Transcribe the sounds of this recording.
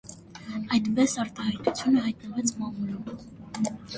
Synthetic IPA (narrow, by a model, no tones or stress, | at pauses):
ɑjd̪bɛsɑɾt̪ɑhɑjt̪ut͡sʰjunəɦɑjt̪nəvɛt͡sʰmɑmulum